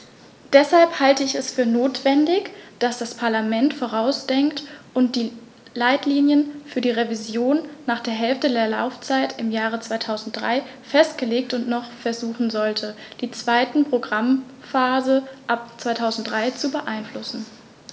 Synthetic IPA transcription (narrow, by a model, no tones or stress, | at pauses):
d̥ɛshalphaltəɪçɛsfyːɐnoːtv̥ɛndɪçd̥asd̥aspʰaɐlamɛntfoːʁaʊsd̥ɛŋktʔʊntd̥iː | laɪtliːnjənfyːɐdiːʁevizjoːnːaːχd̥eːɐɦɛlftədeːɐla̰ʊft͡saɪtɪmjaːʁ̞ət͡sv̥aɪtʰaʊzn̩t̚d̥ʁa̰ɪ | fɛstɡ̥əleːk̚tʊntnɔχfɛɐzuːχn̩zɔltʰəd̥iːt͡sv̥aɪtn̩pʁ̥oɡʁam | faːzəʔap̚t͡sv̥aɪtʰaʊzn̩t̚d̥ʁaɪt͡subəʔaɪnflʊsn̩